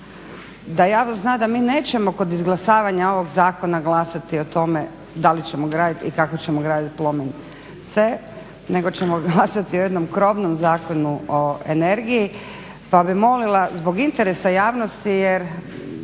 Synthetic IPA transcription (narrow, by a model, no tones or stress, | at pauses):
d̪ajaːʋnoznad̪amiːne̞ːt͡ɕe̞mo̞kod̪izɡlˠasaːʋaɲao̞ʋo̞ɡzaːko̞naɡlˠasat̪io̞t̪o̞me̞ | d̪alit͡ɕe̞mo̞ɡɾaːd̪it̪ḭkakot͡ɕemoɡɾaːd̪it̪plˠo̞min | t̪seː | ne̞ɡo̞t͡ɕemoɡlasat̪iojed̪no̞mkɾo̞ʋnomzaːko̞nuoḛne̞ɾɡiji | pabimo̞lilˠazbo̞ɡint̪eɾesajaːʋno̞st̪ijeɾ